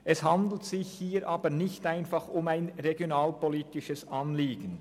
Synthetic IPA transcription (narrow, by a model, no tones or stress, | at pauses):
ʔɛshand̪l̩tsɪçhiːɾʔaːbənɪçtaɪnfɑχʊmaɪnʁeɡjonaːlpoliːtɪʃəsɑnliːɡən̩